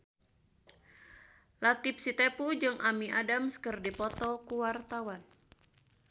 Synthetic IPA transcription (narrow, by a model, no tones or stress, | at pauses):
lat̪ip̚sit̪epud͡ʒɨŋʔamiʔadamskərdipɔt̪ɔkuwart̪awan